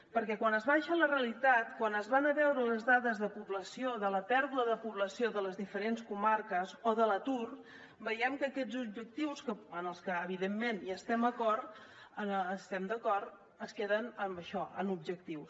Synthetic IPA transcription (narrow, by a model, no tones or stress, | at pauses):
pəɾkɛkwanəzβaʃələreəlit̪at̪kwanəzβanəβɛwɾələzðaðəzðəpuβləsioðələt̪ɛɾðuəðəpuβləsioðələzðifəɾenskumarkəzoðələt̪ur | bəjɛmkəːkɛd͡zub̚ʒək̚t̪iwskəənəlˠskəːβiðemːenjast̪ɛməkɔrt̪ | ənːst̪ɛmd̪əkɔrt̪ | əskeðənəmbəʃɔə̰nub̚ʒək̚t̪iws